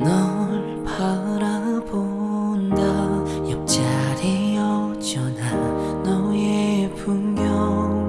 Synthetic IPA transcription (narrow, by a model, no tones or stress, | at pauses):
nʌɭ | pʰaɾabo | nda | jʌk̚t͡ɕaɾeʌt͡ɕʌna | nʌjepumɡjʌ